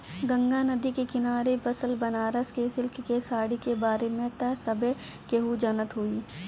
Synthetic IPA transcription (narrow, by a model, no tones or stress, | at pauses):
ɡɐ̃ŋɡanɐd̪ikekɪnaːɾebɐsəlbɐnaːɾəskesɪlkkesaːɽikebaːɾemẽt̪ɛsɐbe | keɦud͡ʒɐnət̪ɦuiː